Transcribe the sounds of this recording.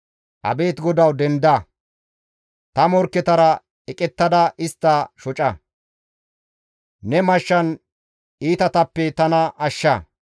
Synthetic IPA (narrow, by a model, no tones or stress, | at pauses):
ʔɐ̰be̞ːt̪ɡɔd̪ɐwd̪ɛnd̪ɐ | t̪ɐmɔɾkːɛt̪ɐɾɐ | ɛkʼɛt̪ːɐd̪ɐʔɪst̪ːɐʃɔt͡ʃʼɐ | nɛmɐʃːɐn | iːt̪ɐt̪ɐpːɛt̪ɐnɐʔɐʃːɐ